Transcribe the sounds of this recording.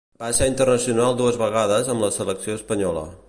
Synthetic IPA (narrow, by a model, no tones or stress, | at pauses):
baseɾint̪ərnəsiunalˠd̪uəzβəɣ̞aðəzəmləsələksioəspəɲɔlə̰